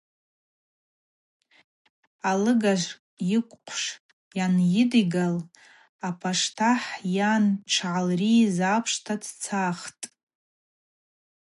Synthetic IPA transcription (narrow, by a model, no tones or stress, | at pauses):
alɨɡaʒʷʼ | jɪkʷʼqʷʰʂ | janjɪdiɡal | apʰaʂtʰaħjanʈ͡ʂʰʕalrizapʰʂtʰadt͡sʰaχtʼ